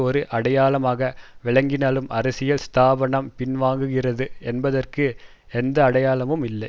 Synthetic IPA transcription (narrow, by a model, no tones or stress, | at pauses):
ɔɾɯʔɐɽɐjaːlɐmaːɣɐʋɪɭɐŋɡɪnaːlɯmʔɐɾɐsɪjɐlst̪aːbɐɳɐmpɪnʋaːŋɡɯɣɪrɐðɯɛnbɐðɐrkɯ | ɛnd̪ɐːɽɐjaːlɐmɯmɪlːɐɪ